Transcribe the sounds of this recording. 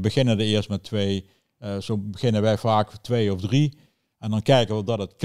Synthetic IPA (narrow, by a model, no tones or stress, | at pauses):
bəɣɪnəndəɪːəɹstmɛtʋej | z̥owbəɣɪnənʋɛjvaːktʋejɔfdri | ɛndɑnkɛjkəʋədɑtətk